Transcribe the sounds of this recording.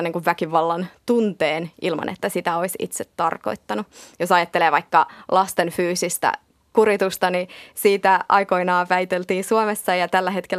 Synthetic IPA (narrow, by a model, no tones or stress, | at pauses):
nːeŋkuʋʋækiʋɑlːɑnt̪unt̪eːnʔilmɑ̰nʔḛt̪ːæsit̪æo̞isḭt̪set̪ːɑrko̞̰it̪ːɑnujosɑjɑt̪ːeleːʋɑikːɑlɑst̪enfyːsist̪æ̰ | kuɾit̪ust̪ɑnisiːt̪æʔɑ̰jko̞inɑːʋæijt̪elt̪iːnsuomesːɑjɑt̪ælːæɦet̪kelː